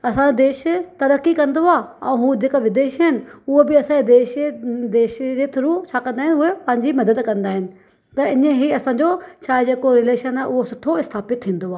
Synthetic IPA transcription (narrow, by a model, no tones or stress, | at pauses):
ɐsãd͡ʑod̪eːʃt̪ɐɾəkːikɐ̃nd̪oaːɛ̃ːɦũːd͡ʑeːkoʋɪd̪eːʃɦɪnɪ̆ʊɦobɪɐsãːd͡ʑed̪eːʃd̪eːʃd͡ʑet̪ʰʊɾut͡ɕʰaːkɐ̃nd̪aːɦɪnɪʊɦepɐ̃ɦɪ̃ɲd͡ʑimɐd̪əd̪kɐ̃nd̪aːɦɪnɪ̆ | t̪ɐɪnəɦiɐsãːɲd͡ʑot͡ɕʰaːɪd͡ʑeːkoɾɪleːʃənaɦʔʊɦosʊʈʰoɪst̪ʰaːpɪt̪̚t̪ʰĩːn̆d̪oaː